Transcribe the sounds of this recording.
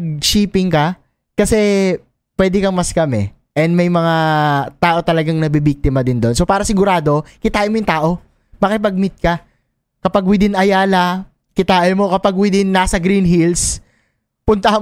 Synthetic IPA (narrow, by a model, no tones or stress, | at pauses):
ɡ̚ʃiːpɪŋkɐ | kɐsɛ | pwɛːd̪ɪkɐmɐskɐmɛ̰ | ʔɛnd̪mɐjmɐŋat̪aːʔo̞t̪ɐlɐɡaŋnɐbibik̚t̪ɪmɐd̪ɪnd̪o̞nso̞paːɾɐsɪɡʊɾaːd̪o̞kɪt̪aːʔɪmojʊŋt̪aːʔo̞ | mɐkɪp̬ɐɡ̚mɪt̪̚kɐ | kɐpaɡwɪd̪ɪnʔɐjaːlɐ | kɪt̪aːʔɪmo̞kɐpaɡwɪd̪ɪnːaːsɐɡɾinɦils | pʊnt̪ɐh